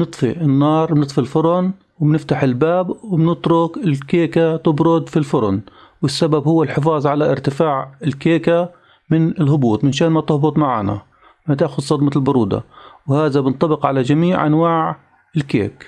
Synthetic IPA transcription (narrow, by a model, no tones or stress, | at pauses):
nɨt̪ˤfḭʔɪnːɑːɾˤbnɨt̪ˤfilfʊɾˤʊn | wɪbnɪft̪aħɪlbaːbwɪbnɪt̪ɾʊkɪlkeːkat̪ɪbɾʊd̪filfʊɾʊ̰n | wɪsːababhʊwːalħɪfɑːzˤʕalaʔɪɾt̪ɪfaːʕɪlkeːka | mɪnɪlɦʊbuːt̪ˤmɪnʃaːnmat̪ʊhbʊt̪ˤmaʕa̰ːna̰ | mat̪aʔxʊd̪sˤɑd̪maɪlbʊɾˤuːd̪a̰whaːðabɪnt̪ˤɑbɪqʕalad͡ʒamiːʕʔa̰nwaːʕ | ɪlkḛːk